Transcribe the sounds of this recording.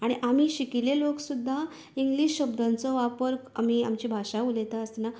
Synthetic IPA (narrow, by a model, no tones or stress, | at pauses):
aɽ̃iʔam̤iːɕikileloksud̪ʱːa | iŋɡliɕɕəbd̪ant͡sɔʋapəɾka̰m̤iːa̰mt͡ɕibʱaʂaulet̪aəsna